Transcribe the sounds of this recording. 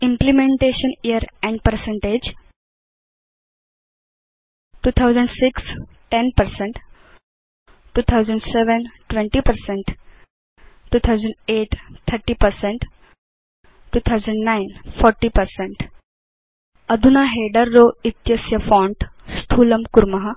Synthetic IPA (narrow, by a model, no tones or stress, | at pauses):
ĩmplimẽɳʈeːʃə̃nijəɾɛ̃ɳɖpəɾsẽɳʈed͡ʒ | ʈuːt̪ʰaʊzə̃ɳɖsɪks | ʈenpəɾsẽɳʈ | ʈːuːt̪ʰaʊzə̃ɳɖseʋə̃nʈʋẽɳʈipəɾsẽɳʈ | ʈːuːt̪ʰawzə̃ɳɖeːʈt̪ʰːəɾʈiːpəɾseɳʈ | ʈuːt̪ʰawzə̃ɳɖnajnfɔɾʈiːpəɾsẽɳʈ | ɐd̪ʱunaɦeːɖəɾːoːit̪jɐsjɐfɔ̃ɳʈst̪ʰuːləmkuɾmɐɦə